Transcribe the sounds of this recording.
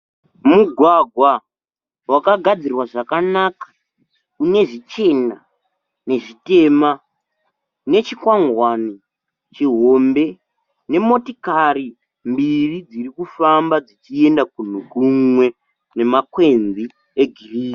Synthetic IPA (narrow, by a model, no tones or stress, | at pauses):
muɡʱwaɡʱwa | wakaɡʱad͡zirwaʐakanakḁ | une̞ʐit͡ʃe̞na | ne̞ʐite̞ma | ne̞t͡ʃikwaŋɡwani | t͡ʃiɦo̞mbe̞ | ne̞mo̞tikari | mbirid͡ziɾikufambad͡zit͡ʃie̞ndakun̤ukumwe̞ | ne̞makwe̞nzi | eɡʱiriːki